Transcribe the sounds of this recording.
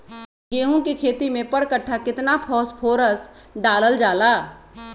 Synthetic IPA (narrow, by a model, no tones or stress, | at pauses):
ɡeːɦũkikʰeːt̪imẽpəɽkəʈʰːakɪt̪napʰɔːspʰoːɾəs | ɖaːləld͡ʒaːlaː